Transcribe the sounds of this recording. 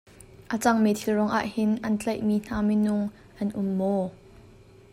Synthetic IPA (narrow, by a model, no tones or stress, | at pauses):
ʔat͡sɐŋmɛt̪ʰɪlrɔŋʔa̰ːʔhɪnʔɐnt͡ɬɐjʔmiːn̥aːminʊŋ | ʔɐnʔʊmːɔ